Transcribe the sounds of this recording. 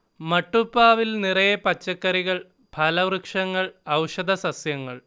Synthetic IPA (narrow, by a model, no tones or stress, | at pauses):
mɐʈːupːaːʋilnirɐjɐpɐt͡ɕːɐkːɐɾiɣɐɭ | bʱɐlɐʋrɨkʂɐŋːɐɭɐwʂɐd̪ɐsɐsjɐŋːɐɭ